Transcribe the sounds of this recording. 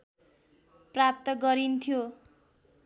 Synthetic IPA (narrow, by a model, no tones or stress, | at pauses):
prap̚t̪ʌɡʌɾint̪ʰjo